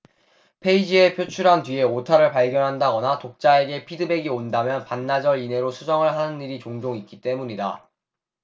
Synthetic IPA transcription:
pʰe̞id͡ʑie̞pʰjot͡ɕʰuɾɦantɥie̞otʰaɾɯɭpaɭɡjʌnɦandaɡʌnatok̚t͡ɕ͈ae̞ɡe̞pʰidɯbe̞ɡiondamjʌnpanːad͡ʑʌɾine̞ɾosʰud͡ʑʌŋɯɭɦanɯniɾit͡ɕoŋd͡ʑoŋik͈it͈e̞muɲida

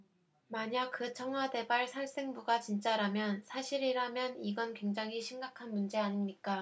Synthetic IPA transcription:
maɲaɡ̚kɯt͡ɕʰʌŋɦwade̞baɭsʰaɭs͈eŋbuɡat͡ɕint͡ɕ͈aɾamjʌnsʰaɕʰiɾiɾamjʌniɡʌnkwe̞ŋd͡ʑaŋɦiɕʰimɡakʰanmund͡ʑe̞aɲimɲik͈a

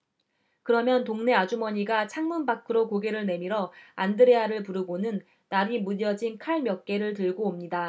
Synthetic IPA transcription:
kɯɾʌmjʌntoŋne̞ad͡ʑumʌɲiɡat͡ɕʰaŋmunbakʰɯɾokoɡe̞ɾɯɭne̞miɾʌandɯɾe̞aɾɯɭpuɾɯɡonɯnː | aɾimudjʌd͡ʑinkʰaɭmjʌk̚k͈e̞ɾɯɭt̬ɯɭɡoːmɲida

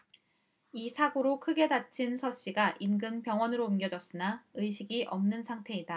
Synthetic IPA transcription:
isʰaɡoɾokʰɯɡe̞dat͡ɕʰinsʰʌɕ͈iɡaʔinɡɯnpjʌŋwʌnɯɾoimɡjʌd͡ʑʌs͈ɯnaɯjɕʰiɡiʔʌmnɯnsʰaŋtʰe̞ida

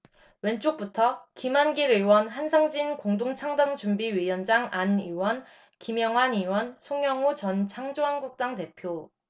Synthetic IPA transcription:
went͡ɕ͈ʰok̚p͈utʰʌkimanɡiɾewʌnɦansʰaŋd͡ʑinkoŋdoŋt͡ɕʰaŋdaŋd͡ʑumbiɥijʌnd͡ʑaŋaniwʌn | kimjʌŋwaniwʌnsʰoŋjʌŋot͡ɕʌnt͡ɕʰaŋd͡ʑoɦaŋɡuk̚t͈aŋte̞pʰjo

